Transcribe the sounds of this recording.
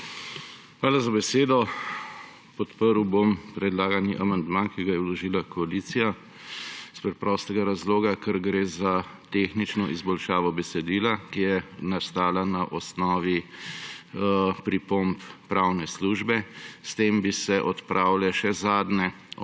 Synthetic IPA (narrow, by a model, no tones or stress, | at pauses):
xʋaːlazabɛseːd̪ɔ | pɔt̪pəɾwbompɾɛd̪laːɡaniʔamand̪mankiɡajɛulɔʒiːlakɔalit̪sija | spɾɛt̪pɾɔst̪ɛɡaɾazloːɡakɛɾɡɾeːzat̪exnit͡ʃnɔʔizbɔlʃaːʋɔbɛsɛd̪iːlakijɛnast̪aːlanaʔɔsnɔːʋi | pɾipomppɾawnɛsluːʒbɛst̪eːmbisɛʔɔt̪pɾʔaːwlɛʃɛzaːd̪nɛ